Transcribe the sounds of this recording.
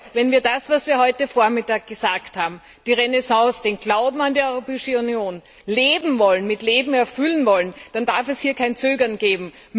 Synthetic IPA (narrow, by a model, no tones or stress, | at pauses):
vɛnviːɐdasvasviːɐhɔʏtəfoːɐmɪtaːk̚ɡ̥əzaːkthaːbm̩ | d̥iːʁenɛsɑ̃ːsd̥eːnɡlaʊbm̩andiːɔʏʁopɛːɪʃəunjoːn | leːbm̩vɔlənmɪtleːbm̩ɛɐfʏlənvɔlənd̥andaɐfɛshiːɐkʰaɪnt͡søːɡɐnɡ̥eːbm̩